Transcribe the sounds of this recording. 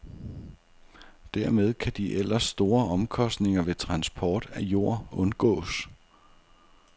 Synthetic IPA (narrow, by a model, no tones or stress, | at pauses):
d̥æɐ̰með̞ˠkʰæd̥iʔel̰ɐsːd̥o̝ːɐɒ̽mkʰɒ̽sd̥ne̝ŋɐʋe̝t͡sʰʁɑ̈nsb̥ʰɒːd̥æjo̝ɐ̰ɔ̽nɡ̥ɔ̰̽ːs